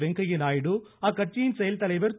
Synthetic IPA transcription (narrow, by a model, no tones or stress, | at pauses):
ʋɛŋɡɐjɪnaːjɪɽɯaːkːɐʈ̚t͡ʃijɪnsɛjɐlt̪ɐlɐɪʋɐɾt̪